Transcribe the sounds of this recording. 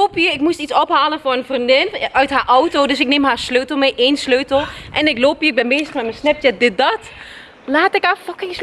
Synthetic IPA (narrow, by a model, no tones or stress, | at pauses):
opiəɪkmustitsɔpɦaːlənfʊrənfrindɪnœɥtɦaːɹʔɔwtoːdɵsɪk̚neːmɦaːsløːtl̩ˠmejʔeːnsløːtəlˠʔɛnɪkloːpiəɪɡ̚bɛnbeːzəχmɛtməsnɛp̚tədɪt̚dɑt | laːtɪkhaːfɑkɪŋs